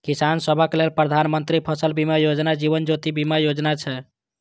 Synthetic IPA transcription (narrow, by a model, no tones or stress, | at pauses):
kisansəbʱəkelelpɾəd̪ʱanmənt̪ɾipʰəsəlbimajod͡ʒnad͡ʒiβənd͡ʒot̪ibimajod͡ʒnat͡ʃʰɛ